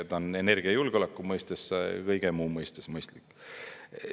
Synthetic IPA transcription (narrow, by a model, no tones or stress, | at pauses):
et̪ːone̞ne̞rɡ̥iɑjulɡ̥o̞lekːˑumɤjst̪eskɤjɡ̥emuːmɤjst̪esmɤjst̪likː